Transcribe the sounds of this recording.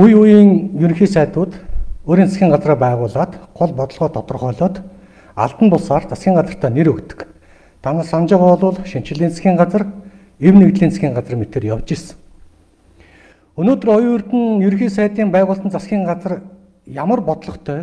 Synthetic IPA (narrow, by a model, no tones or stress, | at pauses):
ujujiːŋjɵɾŋxiːsæːt̪ʊːt̪oːɾiːnt͡sʰḁsxʲiːŋɢat͡sraːpæːʁʊːɮaːt̪ɢʊɮpɔt̪ɞ̆ɮʁɔːt̪ʰɔt̪ɞ̆rχœːɮʊːt̪ | a̰ɮt̪ə̆mpʊɮsaːrt͡sʰaskʲiːŋɢat͡sə̆r̥t̪ʰæːneɾɵkt̪ɘ̥̆k | t̪ʰanə̆rsant͡ɕɪ̆ʁʊɮʊːɮʃim̥t͡ɕɪ̆ɮiːnt͡saxʲiːŋɢat͡sə̆r | ewneɣt̪ɮiːnt͡sʰḁxʲiːɴɢat͡sə̆rmet̪eːrjawt͡ɕes | ɵnoːt̪̆rɔjɵr̥t̪ɘ̆njɵɾ̆xiːsæːt̪iːmpæːʁʊːɮɬt̪ə̆nt͡sasxʲiːɴɢat͡sə̆r | jamə̆rpɔt̪̆ɮɞ̆χt̪ʰœː